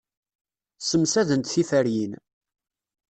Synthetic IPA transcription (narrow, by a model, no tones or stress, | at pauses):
səmsæðənt̪θifæɾjin